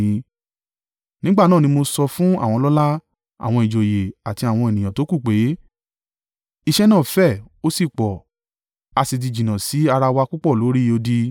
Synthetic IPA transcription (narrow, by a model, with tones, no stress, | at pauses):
ĩ˧ | nĩ˦ɡ͡ba˦˨nãː˦˨nĩ˧mo˧sɔ˧fũ˦a̰˦˨w̃ɔ̃˧lɔ˦la˦ | a̰˨w̃ɔ̃˧i˨d͡ʒo˨je˨a˨ti˧a˨w̃ɔ̃˧e˨nĩ˨j̃ã˨to˨˦ku˦˨k͡pe˨˦ | i˧ʃɛ˦nãː˦˨fɛ˦˨o˦si˦˨k͡pɔ˨ | a˧si˧d̬i˧˨d͡ʒĩ˨nã˨si˨˦a˧ɾa˧wa˧ku˦k͡pɔ˦˨lo˨˦ɾi˦˧o˧di˧